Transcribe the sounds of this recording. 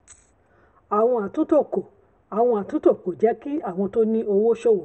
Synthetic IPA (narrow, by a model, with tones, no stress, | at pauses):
a˨w̃ɔ̃˧a˨tũ˨˦to˦˨ko˨ | a˨w̃ɔ̃˧a˨tũ˨˦to˦˨ko˨d͡ʒɛ˨˦ki˦a˦˨w̃ɔ̃˧to˦nĩ˦o˧wo˦ʃo˦˨wo˨